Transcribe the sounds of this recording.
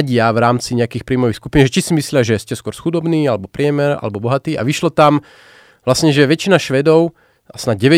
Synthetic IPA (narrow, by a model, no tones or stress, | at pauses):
ɟɪaʋɾaːmt͡siɲɛakiːxpɾiːmɔʋixskupiːnʒɛt͡ʃisimislɪaʒɛscɛskʊɔɾsxud̪ɔbniːalɛbɔpɾɪɛmɛɾa̰lɛbɔbɔɦat̪iːʔa̰ʋiʃlɔt̪am | ʋlasɲɛʒɛʋɛt͡ʃinaʃʋɛd̪ɔʊ | asnaɟɛʋɛ